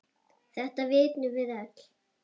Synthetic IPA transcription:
θɛht̪avɪːt̪nʏvɪðɛt̪l̥

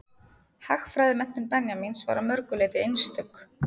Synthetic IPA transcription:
haxfɾaːjðɪmɛn̥t̪ːʏmpɛnjaminsva̰ːɾamœɾkʏleːt̪ɪejnst̪ʏkː

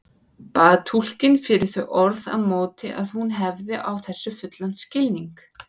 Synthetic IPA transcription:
paːðt̪ʰul̥cɪnfɪɾɪθœɥʔɔɾða̰ðmoːwt̪ɪʔaðhunɦɛvðɪʔawθɛsːʏfʏt̪lanscɪlniŋk

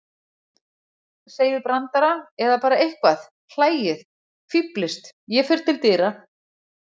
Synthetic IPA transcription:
seːjðɪpɾant̪aɾaɛðapaːɾaejhkvaθ | l̥aːjɪθ | fiplɪst̪jɛfɛɾ̥t̪ʰɪlt̪ɪːɾa

